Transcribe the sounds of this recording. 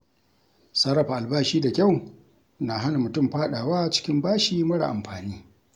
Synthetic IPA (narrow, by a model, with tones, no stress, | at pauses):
sɐ˦ɾɐ˨ɸa˨ʔa˨lbaː˦ʃiː˦da˨kʲa˦˨w | na˨ɦa˦na˨mʊ˨tʊ˦˨mɸaː˦ɗaː˨waː˦˨t͡ʃɪ̥˦kʲɪ˦mbaː˦ʃiː˨mɐ˦ɽa̰˨ʔa̰˨mɸaː˨niː˦